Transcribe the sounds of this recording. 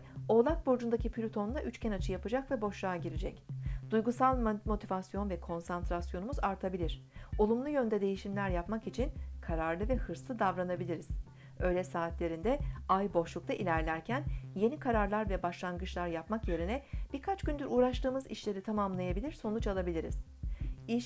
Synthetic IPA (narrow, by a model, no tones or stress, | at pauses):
o̞lˠak̚bo̞d͡ʒund̪acipʰlʲut̪ʰo̞nlaʔyt͡ʃcʰɛnat͡ʃʰɯjapɯd͡ʒakvɛbo̞ʃlˠaːɟiɾid͡ʒɛcd̪ujɡusalˠmmo̞t̪ʰivasjo̞nvɛkʰo̞nsant̪ɾasjo̞numuzaɾt̪ʰabilʲiɾ̥o̞lˠumlˠujø̞nd̪ɛd̪e̞jiʃimlʲæɾjapmakit͡ʃʰinkʰaɾaɾlˠɯvɛhɯɾslˠɯd̪avɾanabilʲiɾiz̥ | ø̞jlʲɛsaːt̪lʲe̞ɾind̪ɛajbo̞ʃlˠukt̪aʔilʲæɾlʲæɾcʰænje̞nikʰaɾaɾlˠaɾvɛbaʃlˠanɡɯt͡ʃlˠaɾjapmakje̞ɾinɛb̥iɾkʰat͡ʃɟ̥ynd̪yɾuːɾaʃt̪ɯːmɯzḭʃlʲe̞ɾit̪ʰamamlˠajabilʲiɾso̞nut͡ʃalˠabilʲiɾḭz̥ | iʃ